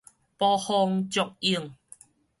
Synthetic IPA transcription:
pɔ˧hɔ˧ŋt͡ɕɔ˨k̚i˧əŋ

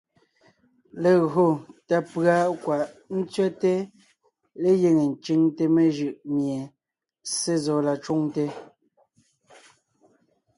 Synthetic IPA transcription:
le˨ɣo˨ta˨pɰa˦kwa˨ʔn̩˦t͡sɥɛ˦te˦ | le˦je˨ŋe˨n̩˨t͡ʃi˦ŋte˦me˨ʒɯ˦˨ʔmje˨ | se˦zɔː˨˦la˨t͡ʃu˦ŋte˦

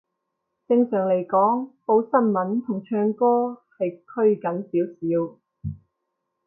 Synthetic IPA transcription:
t͡sɪ˧ŋsœː˨˩ŋle˨˩jkɔː˨˥ŋpo˨˥wsɐ˥nmɐ˨˥nt̪ʰʊ˨˩ŋt͡ʃʰœː˧ŋkɔː˥hɐ˨jkʰɵ˥ɥkɐ˨˥nsiː˨˥wsiː˨˥w

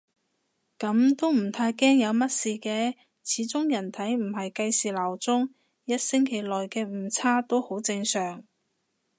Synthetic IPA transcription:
kɐ˨˥mt̪o˥wm̩˨˩t̪ʰaː˧jkɛː˥ŋjɐ˨˧wmɐ˥t̚siː˨˧kɛː˧ | t͡sʰiː˨˥t͡sʊ˥ŋjɐ˨˩nt̪ʰɐ˨˥jm̩˨˩hɐ˨jkɐ˧jsiː˨˩laː˨˩wt͡sʊ˥ŋ | jɐ˥t̚sɪ˥ŋkʰe˨˩jlɔː˨jkɛː˧m̩˨˧˩t͡sʰaː˥t̪o˥who˨˥wt͡sɪ˧ŋsœː˨˩ŋ

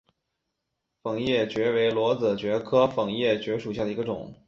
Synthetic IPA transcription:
fɤ˨˩ŋjɛ˥˩t͡ɕɥɛ˧˥we˧˥ɪlwɔ˧˥t͡s̩˨˩t͡ɕɥɛ˧˥kʰɤ˥fɤ˨˩ŋjɛ˥˩t͡ɕɥɛ˧˥ʂu˨˩ɕja˥˩d̪ə˩i˧˥ə˧ʈ͡ʂʊ̰˨˩˦ŋ

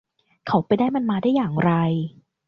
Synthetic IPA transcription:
kʰa˨˦wpa˧jdaː˥˩jma˧nmaː˧daː˥˩jːaː˨˩ŋɾa˧j

